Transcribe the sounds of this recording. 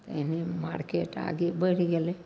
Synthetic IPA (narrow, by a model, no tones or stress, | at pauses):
t̪enima̰ɾkeʈa̰ɡibəɽiɡele